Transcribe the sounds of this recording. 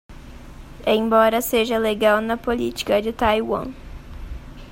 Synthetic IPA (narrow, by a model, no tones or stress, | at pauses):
ẽj̃bɔɾɐseʒɐleɡawnɐpolit͡ʃi̥kɐd͡ʒɪt̪ajwɐ̰̃